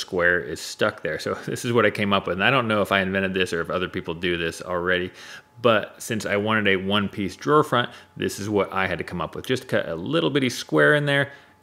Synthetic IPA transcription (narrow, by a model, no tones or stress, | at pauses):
skwɛɹɪ̰z̥stʌk̚ðə˞soʊðɪ̰sɨzwʌɾaɪkʰẽɪ̃mʌpwɨð̃naɪɾõʊ̃nːoʊəfaɪɨ̃ɱvɛ̃ɾ̃ɨd̪̚ðɪsə˞ɨfʌðə˞pipl̩ˠdɨðɪsl̩ˠɹɛɾi | b̥ʌt̚sɪ̃nsaɪwɑ̃ɾ̃ɨɾɨwʌ̃npʰisd̥ɹɔɹfɹʌ̃nðɪ̰sɨzwʌɾʔa̰ɪɨd̚tɨkʰʌ̃mʌpwɨðd͡ʒʌskʰʌ̰ɾʔə̰lɪɾl̩ˠbɪɾɨ̥skwɛɹɨ̃nðə˞